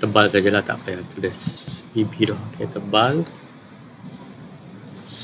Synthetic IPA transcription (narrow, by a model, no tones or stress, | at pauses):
t̪əbalsad͡ʒalat̪a̰ʔpajat̪ələsibidɔhokʰet̪əbal | s